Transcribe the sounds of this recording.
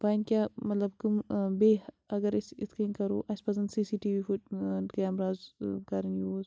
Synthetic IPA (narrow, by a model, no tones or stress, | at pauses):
paːnkʲaːmɐt̪lɐbkumbeː | ɐɡɐɾisit̪ʰkiːnkɐɾoːʔɐspɐzɐnsiːsiːʈiːʋiːfuʈkɐɐmɾaːzkɐɾɐnjuːz